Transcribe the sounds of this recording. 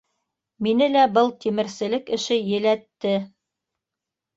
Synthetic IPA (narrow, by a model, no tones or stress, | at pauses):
minɘlæbɤlˠt̪imɘ̆ɾsɘ̆lɘkɘ̆ʃɘjɘ̆læt̪ːɘ